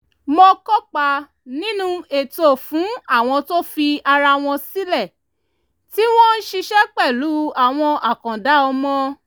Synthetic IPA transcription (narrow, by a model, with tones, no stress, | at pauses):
mo˧kɔ˦k͡pa˧ | nĩ˦nũ˦e˨to˦˨fũ˨˦a˦˨w̃ɔ̃˧to˦fi˧a˧ɾa˧w̃ɔ̃˧si˦lɛ˦˨ | ti˦w̃ɔ̃˦n̩˦ʃi˧ʃɛ˦k͡pɛ˦˨lu˨˦a˦˨w̃ɔ̃˧ʔa˨kã˨da˨˦ɔ˧mɔ̃˧